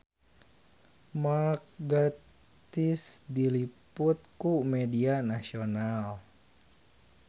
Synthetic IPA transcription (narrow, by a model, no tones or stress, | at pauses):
mak̚ɡa | t̪isdilipʊt̪̚kumɛdianasional